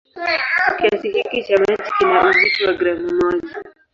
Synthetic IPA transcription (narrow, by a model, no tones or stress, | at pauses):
kiasihikit͡ʃamat͡ʃikinaɾuziʃiwaɡɾamumɔd͡ʒi